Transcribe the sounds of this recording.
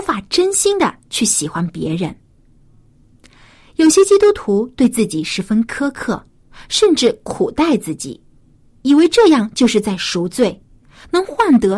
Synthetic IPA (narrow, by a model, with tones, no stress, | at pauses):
fa˨˩ʈ͡ʂə˥nɕi˥ŋd̪ə˨t͡ɕʰy˥˩ɕi˨˩xwa˥npjɛ̰˧˥ɻə˧˥n | jo˨˩ʊɕjɛ˥t͡ɕi˥t̪u˥t̪ʰu˧˥t̪we˥˧ɪt͡sɹ̩˥˩t͡ɕi˨˩ʂɻ̩˧˥fə˥nkʰɤ˥kʰɤ˥˩ | ʂə˥˧nʈ͡ʂɻ̩˥˩kʰu˨˩t̪a˥˧ɪt͡sɹ̩˥˩t͡ɕḭ˨˩˦ | i˨˩we˧˥ɪʈ͡ʂɤ˥˧jɑ˥˧ŋt͡ɕjo˥˧ʊʂɻ̩˥˧t͡sa˥˩ɪʂu˧˥ʊt͡swe˥˩ɪ | nɤ˧˥ŋxwa˥˩nt̪ɤ˧˥